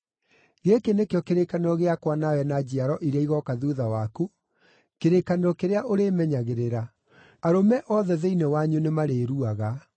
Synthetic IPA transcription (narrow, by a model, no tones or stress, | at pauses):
ɣekenekeɔkeɾekaneɾɔɣeakwanawɛnad͡ʑiaɾɔʔiɾeaiɣɔkaðuðawaku | keɾekaneɾɔkeɾeaʔoɾemɛɲaɣeɾeɾa | aɾomɛʔɔðɛðeinewaɲunemaɾeɾuaɣa